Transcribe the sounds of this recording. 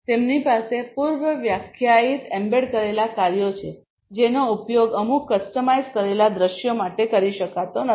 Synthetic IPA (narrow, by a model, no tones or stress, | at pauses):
t̪emnipasepuɾʋəʋjakʰjait̪ɛmbeɽkəɾelakaɾjot͡ʃʰe | d͡ʒenoupjoɡəmukːəsʈəmajzkəɾelad̪ɾəʃjomaʈekəɾiʃəkat̪onə